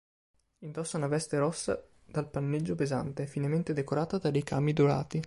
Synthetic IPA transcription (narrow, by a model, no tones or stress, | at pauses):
ind̪ɔsːaunavɛst̪eɾɔsːa̰ | d̪̥alpanːed͡ʒːopezant̪efinament̪ed̪ekoɾaːt̪ad̪ad̪ejkaːmid̪ola̰ːt̪i